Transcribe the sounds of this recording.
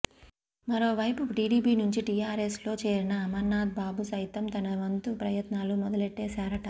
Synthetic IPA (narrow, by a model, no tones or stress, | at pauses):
mɐɾo̞ːʋɐjpuʈiːɖiːpiːnuɲt͡ʃiʈijaːɾeslo̞ːt͡ʃeːɾinɐːmɐɾnːaːd̪̚baːbusɐjt̪ɐmt̪ɐnɐʋɐnt̪upɾɐjɐt̪naːlumɔd̪ɐleʈːeːsaːɾɐʈɐ